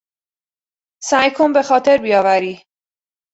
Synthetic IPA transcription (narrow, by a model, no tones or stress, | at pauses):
sæjkʰombe̞xɒːt̪ʰe̞ɾbijɒːvæɾiː